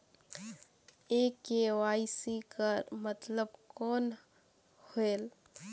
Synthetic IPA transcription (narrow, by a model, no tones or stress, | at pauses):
eːkewaːisikəɾmət̪ləbkɔːn | hoeːl